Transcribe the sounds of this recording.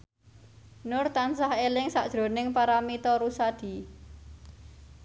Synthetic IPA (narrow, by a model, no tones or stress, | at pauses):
nʊrt̪ansahelɪŋsaʔd̥ʒ̥ɾo̤nɪŋpaɾamit̪ɔɾusad̪̥i̤